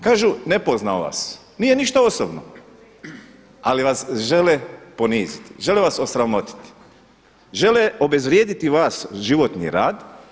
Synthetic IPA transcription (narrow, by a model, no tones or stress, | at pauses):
kaːʒunepoznaʋa̰s | nije̞niʃt̪aosobno̰ | aliʋasʒe̞lepo̞niːzit̪i̥ʒe̞leʋaso̞sɾamo̞t̪i̥t̪i̥ | ʒe̞leo̞be̞zʋɾjeːd̪it̪iʋaːsʒiʋo̞t̪nḭɾaːd̪